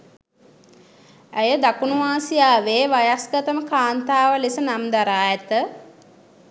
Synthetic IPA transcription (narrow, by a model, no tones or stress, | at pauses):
æjəd̪akunuʋaːsijaːʋeːʋajasɡət̪əməkaːnt̪aːʋəlisənamd̪aɾaːɛt̪ə